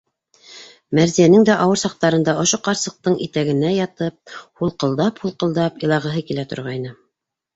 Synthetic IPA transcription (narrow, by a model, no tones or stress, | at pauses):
mæɾzijænɘŋd̪æʔɑwɤɾsɑq̚t̪ɑɾɤ̆nd̪ɑŏʃoqɑɾsɤ̆q̚t̪ɤɴʔit̪æɡɘ̆næjɑt̪ɤp̚hulˠqɤ̆lˠd̪ɑphulˠqɤ̆lˠd̪ɑpjɤ̆lˠɑʁɤ̆ɦɤkilæt̪ŏ̰ɾʁɑjnɤ